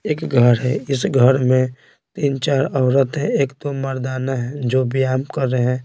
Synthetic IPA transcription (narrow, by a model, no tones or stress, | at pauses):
eːkɡʱəɾɦɛɪsɡʱəɾmẽ | t̪iːnt͡ʃaːɾɔːɾət̪ɦɛ̃eːkt̪oməɾd̪aːnaɦɛ̃d͡ʒoːbijaːmkəɾːeɦɛ̃ː